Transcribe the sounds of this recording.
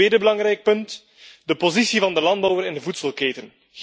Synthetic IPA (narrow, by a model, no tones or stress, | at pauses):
eːdəbəlɑŋɾɛjk̚pɵnt | dəpozisivɑndəlɑndbɔwəɾɛndəvutsəlˠkeːtən